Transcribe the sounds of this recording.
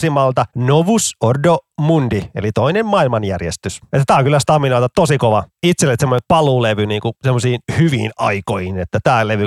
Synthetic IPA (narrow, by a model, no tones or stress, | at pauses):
simɑlt̪ɑnoʋusordomundielit̪oinemmɑilmɑnjærjest̪yset̪ːæt̪æːoŋkylːæst̪ɑminoˑit̪ɑtt̪osikoʋɑit̪selːet̪semːonepɑluleʋyniːŋkusemːosiːnhyʋḭːnɑ̰ikojhinet̪ːæt̪æːleʋy